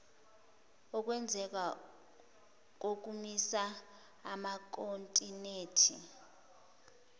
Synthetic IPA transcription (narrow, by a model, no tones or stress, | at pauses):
ɔk̬ʼwɛnd͡zʱɛk̬a | k̬ok̬umisaː | mak̬ʼontʼineːtʰḭ